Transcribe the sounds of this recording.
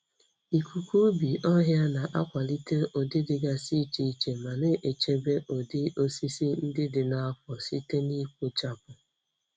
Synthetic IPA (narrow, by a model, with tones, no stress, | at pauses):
i˨kʷʰu˨kʷu˦bi˨ɔ˦ɦja˦na˨ʔa̰˦kʷa˨li˦te˦ʔo˨dɪ˦dɪ˨ɡa˦si˦t͡ʃi˨i˦t͡ʃe˨ma˨ne˦ʔe˨t͡ʃe˦be˦ʔo˨dɪ˦o˦si˦si˦n̩˦dɪ˦dɪ˨na˦a˦fɔ˨si˦te˦ni˦kʷu˦t͡ʃa˦pʊ˨